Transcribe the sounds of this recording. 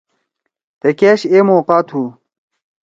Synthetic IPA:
t̪ekeːɕeːmoːqaːt̪ʰu

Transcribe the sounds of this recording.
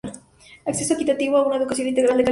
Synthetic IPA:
aksesoekit̪at̪iβoaunaeðukas̬jonint̪eɣɾald̪eka

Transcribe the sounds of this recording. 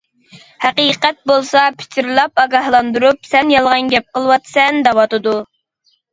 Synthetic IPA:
hæqiqɛt̪̚bolˠsɑpʰɪ̥t͡ʃ̪ʰiɾlˠɑpɑɡɑhlˠɑnd̪uɾup̚sɛnjɑlˠʁɑnɡʲɛp̚qəlˠəwɑt̪sɛnd̪ɑwɑt̪ɨd̪u

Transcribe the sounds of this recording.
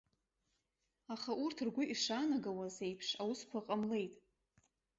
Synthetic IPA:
aχaʔurtʰrɡʷʊʔiʂanaɡawaze̞jpʰʂawʊskʷʰaqʼamle̞jtʼ

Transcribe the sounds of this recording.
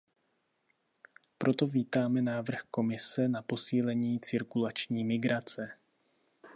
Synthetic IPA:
pɾʔo̞t̪o̞viːt̪aːmɛnaːvr̩xko̞mɪsɛnapo̞siːlɛɲiːt͡sɪɾkulat͡ʃɲiːmɪɡɾat͡sɛ

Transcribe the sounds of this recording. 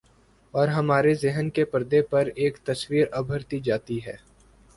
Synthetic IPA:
ɔːɾɦɐmaːɾezɪɦənkepəɾd̪epɐɾeːkt̪ɐswiːɾɐbʱəɾt̪id͡ʒaːt̪iɦɛː

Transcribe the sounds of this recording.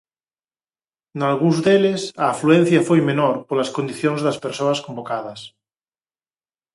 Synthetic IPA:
nalɣuzðelesaːfluẽn̟θjafojmenoɾpoɾlaskond̪iθjoŋzðaspeɾsoaskombokað̞ɐs

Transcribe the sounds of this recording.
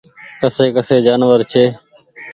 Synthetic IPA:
kəseːkəseːd͡ʒaːnʋəɾt͡ʃʰeː

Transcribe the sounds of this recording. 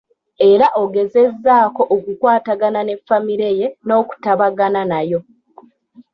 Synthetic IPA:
e̞ɾaʔoɡe̞ze̞zːaːko̞ʔokukwaːtaɡanane̞fːamiɾe̞je̞no̞ːku̥taβaɡananajo̞

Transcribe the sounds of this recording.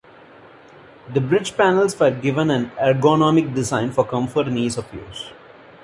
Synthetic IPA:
d̪əbɾɪd͡ʒpænəlsʋəɾɡɪʋə̃næ̃næɾɡonɔːmɪk̚ɖɪzãɪ̃nfɔɾkʌ̃mfəʈniːsɔfjṵːs

